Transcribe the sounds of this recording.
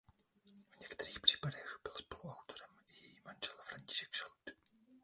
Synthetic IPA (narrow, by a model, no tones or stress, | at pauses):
v̥ɲɛkt̪ɛɾiːxpr̝̥i̥ːpadɛxbɪlspo̞luawt̪o̞ɾɛmjɛjimand͡ʒɛlafɾaɲcɪ̥ʃɛ̥kʃalt̪